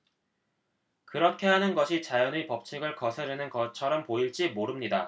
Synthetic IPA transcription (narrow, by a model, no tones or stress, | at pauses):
kɯɾʌkʰe̞ɦanɯnɡʌɕʰit͡ɕajʌnepʌp̚t͡ɕʰiɡɯɭkʌsʰeɾenɯnɡʌt͡ɕʰʌɾʌmpoiɭt͡ɕ͈imoɾɯmɲida